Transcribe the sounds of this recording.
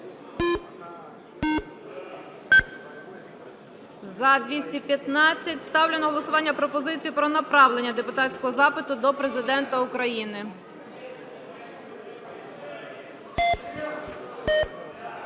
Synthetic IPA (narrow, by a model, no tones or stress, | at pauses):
zɐd̪ʋʲisʲtʲipʲjɐt̪nɑt͡sʲːɐtʲst̪ɑwlʲenɔɦɔlˠɔsʊʋɑnʲːɐpɾɔpɔzɪt͡sʲijʊpɾɔnɐpɾɑwlenʲːɐd̪e̞pʊt̪ɑtt͡sʲkɔɦɔzɑpɪt̪ʊd̪ɔpɾe̞zɪd̪ɛnt̪ɐʊkɾɐjinɪ